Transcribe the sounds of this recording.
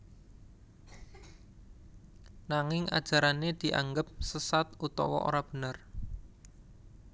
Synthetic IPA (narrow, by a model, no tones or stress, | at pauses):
naŋɪŋʔa̰d̥ʒ̥a̤ɾaned̪̥i̤ʔa̰ŋɡəp̚səsat̪ʔut̪ɔ̰wɔ̰ʔo̰ɾab̥ə̤nər